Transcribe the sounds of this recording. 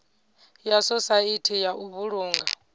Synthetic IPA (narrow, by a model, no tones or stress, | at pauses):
jasɔsaitʰijaʔuβuɺuːŋɡa